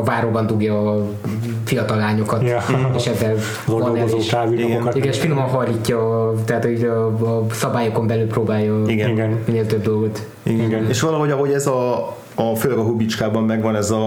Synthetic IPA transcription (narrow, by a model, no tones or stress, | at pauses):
vaːɾoːbɒnd̪uɡjɒː | fijɒt̪ɒlːaːɲo̞kɒteʃɛzːɛl | zoozoʃkaːviiɡɛokiɡɡɛneːʃfinomɒnɦɒrlːiːcːɒːt̪ɛat̪hoɒːsɒbaːjo̞ko̞mbɛlylproːbaːjɒiɡɛiɡɛnmineːlt̪øb̚d̪o̞lɡo̞t̪ | ḭɡɛɡɛneːʃʋɒlɒɦoɟɒɦoɟɛzɒː | føːlɛɡɒɦubit͡ʃkaːbɒmːɛɡʋɒnɛzɒ